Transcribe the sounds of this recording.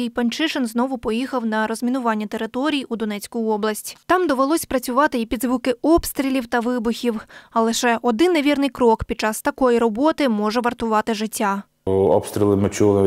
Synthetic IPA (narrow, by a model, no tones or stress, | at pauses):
ijpɐnʲt͡ʃɪʃenznɔʋʊpɔjixɐwnɐɾɔzʲmʲinʊʋɑnʲːɐt̪e̞ɾɪt̪ɔɾʲijiud̪ɔnɛt͡sʲkʊjɔblˠɐsʲtʲt̪ɑmd̪ɔʋelˠɔsʲpɾɐt͡sʲʊʋɑt̪ɪipʲid̪zʋukɪɔpst̪ɾʲilʲiwt̪ɐʋɪbʊxʲiwɐlˠɪʃɛʔɔd̪ɪnːeʋʲirnɪjkɾɔkpʲid̚t͡ʃɑst̪ɐkɔjiɾɔbɔt̪ɪmɔʒɛʋɐrt̪ʊʋɑt̪ɪʒɪtʲːa | ɔ̰pst̪ɾʲilˠɪmɪt͡ʃulˠɪ